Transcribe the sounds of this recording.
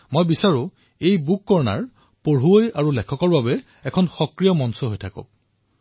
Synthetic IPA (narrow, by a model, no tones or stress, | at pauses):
mojbisaɹʊ | ejbukːɔɹna̰ɹ | poɹɦuojaɹulɛkʰɔkɔɹbabɛ | ɛkʰɔnxɔkɹijɔmɔnsɔɦojtʰakɔ̰